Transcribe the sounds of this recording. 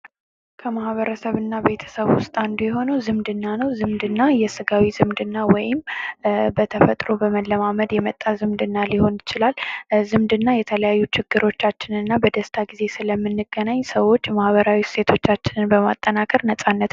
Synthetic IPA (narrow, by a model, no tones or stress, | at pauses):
kʰəmahβəɾəsəβɨnːabe̞t̪ʰə̥səβwʊst̪ʼand̪ujɛɦo̞nəwzɨmd̪ɨnːanəwzɨmd̪ɨnːajɛsɨɡawizɨmd̪ɨnːawɔjɪm | bət̪ʰəfət̪ʼɾo̞bəməlːəmaməd̪jɛmət̪ʼːazɨmd̪ɨnːaliho̞njɪt͡ʃɪlalzɨmd̪ɨnːajɛt̪ʰələjajːut͡ʃʰɪɡ̥ːɨɾo̞t͡ʃːat͡ʃːɪnɨnːabəd̪əst̪ʰaɡize̞sɨləmːɨnːɨɡənaɲsəwo̞t͡ʃːmahβəɾawiset̪ʰo̞t͡ʃːat͡ʃːɪnɨnbəmat̪ʼːənakʼəɾnəsʼanːət̪